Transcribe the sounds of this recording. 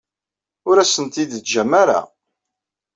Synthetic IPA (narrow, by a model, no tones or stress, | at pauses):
ʊɾæsənt̪id̪t͡sʒæmaɾa̰